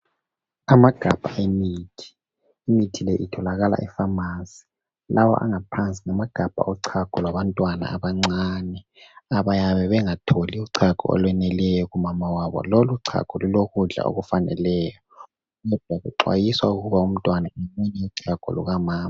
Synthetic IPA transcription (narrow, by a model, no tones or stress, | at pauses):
amaɡ̥ʱab̥ʱa̰ʔemiːtʰi̥ | imitʰilɛʔitʰɔlaɣala̰ʔɛfamasi̥ | lawɔ̰ʔa̰ŋapʰant͡sʼiŋamaɡ̥ʱab̥ʱa̰ʔɔǀʰaɡ̥ʱɔlwaβantʼwana̰aβaŋ͡ǀanɛ | aβajaβɛβɛŋatʰoliuǀʰaɡ̥ʱɔ̰ɔ̰lwɛnɛlɛjɔɣumamawaβɔ̰loluǀʰa̰ɡ̥ʱɔluloɣuɮa̰o̰ɣufanɛ̰lɛːjɔ | ɣɔd̥ʱwaɣuǃwa̰jiswauɣuβaum̩tʼwanaɛmɛnɛuǀʰaɡ̥ʱɔ̰lṵɣamaːma